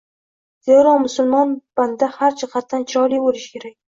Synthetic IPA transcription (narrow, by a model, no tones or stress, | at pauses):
z̥ewɾɒmʊsʊlˠmɒnb̥and̪d̪ahaɾt͡ʃʰaqʰat̪ːant͡ʃʰɪɾɒlijolɪʃkʲe̞ɾakʲ